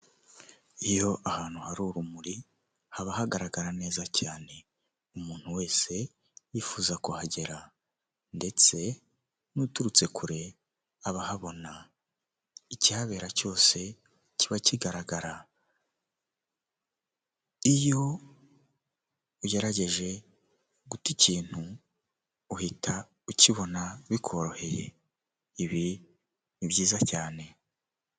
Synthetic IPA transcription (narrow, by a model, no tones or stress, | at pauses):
ijo̞ʔahaːn̥huhaɾuːɾumuɾi | haβahaɡaɾaɡaɾane̞ːzacaːne̞ | umuːn̥huwe̞ːse̞ | jifuːzakuhaɟe̞ɾa | nde̞t͡se̞ | nutuɾut͡se̞kʰuɾe̞ | aβahaβo̞na | icihaβe̞ːɾaco̞ːse̞ | ciβaciɡaɾaɡaɾa | ijo̞ | uɟe̞ɾaɟe̞ʒe̞ | ɡuticiːn̥hu | uhitʰa | uciβo̞naβikʰo̞ɾo̞he̞je̞̰ | iβi | nibɟiːzacaːne̞